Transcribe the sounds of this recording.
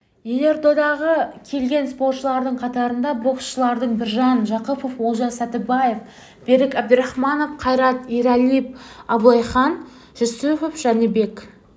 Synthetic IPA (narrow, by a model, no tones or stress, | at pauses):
jene̞ɾd̪o̞d̪ɑʁəkʲʰe̞lɡʲe̞nspo̞ɾt̪ʃəlˠɑɾd̪əɴqʰɑt̪ɑɾənd̪ɑbo̞qsʃəlˠɑɾd̪əɴbɪɾʒɑnʒɑqəpofwolˠʒɑsæt̪ɪbɑjef | b̥e̞ɾɪkæb̚d̪əɾɑχmɑno̞fqʰɑjɾɑt̪ijɾɑlijp̚ɑblˠɑjχɑn | ʒusufofʒ̥ɑnebe̞k